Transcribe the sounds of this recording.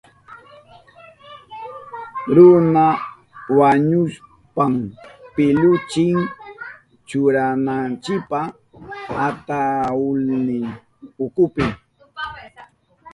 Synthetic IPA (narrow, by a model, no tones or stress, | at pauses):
ɾʊna | waɲʊs | pampɪlʊt͡ʃɪŋ | t͡ʃʊɾanant͡ʃɪkpa | at̪aʊlnɪ | ʊkʊpɪ